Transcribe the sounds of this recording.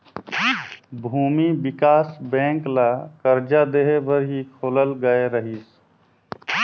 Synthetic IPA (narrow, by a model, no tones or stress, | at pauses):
bʱuːmibɪkaːsbɛ̃ːŋklakəɾd͡ʒad̪eːɦebəɾɦikʰoːləlɡəeɾəɦiːs